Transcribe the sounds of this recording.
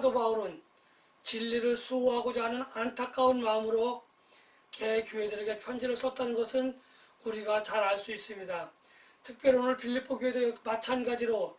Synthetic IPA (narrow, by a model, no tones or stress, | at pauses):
adobauɾɯn | t͡ɕiʎːiɾɯɭsʰuɦaɡod͡ʑaɦanɯnantʰak͈aunmaɯmɯɾo | kekjuɦedɯɾe̞ɡe̞pʰjʌnd͡ʑiɾɯɭs͈ʰʌt̚t͈anɯnɡʌsʰɯn | uɾiɡat͡ɕaɾaɭs͈uis͈ɯmɲida | tʰɯk̚p͈jʌɾionɯɭpʰiʎːipʰːoɡjuɦe̞dɯɡemat͡ɕʰanɡad͡ʑiɾo